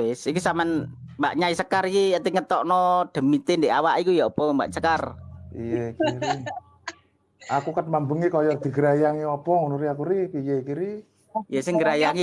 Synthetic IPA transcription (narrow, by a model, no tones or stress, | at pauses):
ɪsikusamanmba̰ʔɲaisəkarkiat̪iŋət̪ɔʔnɔd̪̥ə̤mit̪end̪eʔawaʔikujaɔpɔŋmba̰ʔt͡ʃəkarijakiɾi | akukət̪̚mambəŋikɔjɔd̪̥i̤ɡəɾajaŋiɔpɔŋunuɾiakuɾipijekiɾi | jəsɪŋɡəɾajaŋi